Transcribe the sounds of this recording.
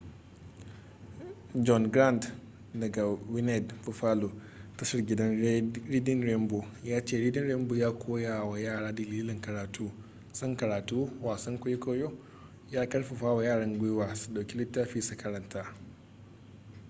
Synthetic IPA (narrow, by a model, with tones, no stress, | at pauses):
d͡ʒɔ˦nɡɾa˦˨nd | dɐ˨ɡa˨wɪ˦nɛ˨dɸʊ˨ɸaː˦loː˨ | tɐ˦sɪ˦rɡʲɪ˦dɐ˦nɾiː˦dɪ˦nɾɛ˦mboː˨jaː˦t͡ʃeː˦˨ɾiː˦dɪ˦nɾɛ˦mboː˨jaː˦kʷʰoː˦jaː˨wa˨jaː˦˨ɽaː˦dɐ˨liː˦lɪ˨ŋkɐ˨ɾaː˨tʰuː˦ | sɐ˦ŋkɐ˨ɾaː˨tuː˦waː˨sɐ˦ŋkʷʊ˦jkoː˦joː˦ | jaː˦kɐ˦ɽɸɐ˨ɸaː˦wa˨jaː˦˨ɽɐ˦ŋɡʷʊ˦jwaː˨su̥˨ɗa˨wkʲi˦lɪ˦tːaː˦ɸiː˦su˨kɐ˦ɾɐ˨ntʰaː˦